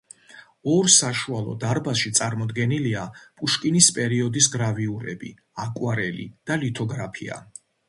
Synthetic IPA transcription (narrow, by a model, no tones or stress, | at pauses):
ɔɾsaʃualˠɔ̰d̪aɾbasʃit̪sʼaɾmɔd̪ɡɛniliapʼuʃkʼinispʼɛɾiɔd̪is̬ɡɾaviuɾɛ̰bḭ | akʼwaɾɛlḭd̪̥alit̪ʰɔɡɾapʰḭa̰